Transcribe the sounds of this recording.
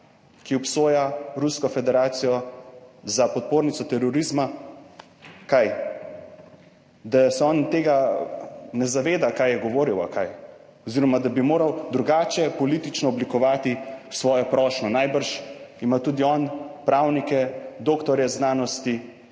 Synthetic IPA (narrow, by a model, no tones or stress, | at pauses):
kiɔpsoːjaɾuskɔfɛd̪ɛɾaːt̪sijɔ | zapɔt̪̚poːɾnit̪ɔt̪ɛɾɔɾizma | kaj | d̪asɛɔnt̪eːɡa | nɛzaʋeːd̪akajɛɡɔʋoːɾiwa̰kaj | ɔziɾɔmad̪abimoːɾawd̪ɾuɡaːt͡ʃɛpɔlit̪it͡ʃnɔːblikɔʋaːt̪isʋɔːjɔpɾɔʃnɔnajbəɾʃimat̪uːd̪iɔnpɾaːwnikɛd̪oːkt̪ɔɾjɛznaːnɔst̪i